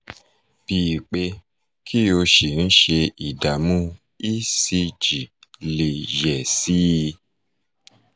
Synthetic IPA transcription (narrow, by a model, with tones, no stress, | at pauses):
b̥iː˨k͡pe˧ | kʰi˦o˧ʃi˨n̩˦ʃe˧i˨da˨mũ˦ | i˦si˧d͡ʒi˨le˨ʒɛ˨si˦˧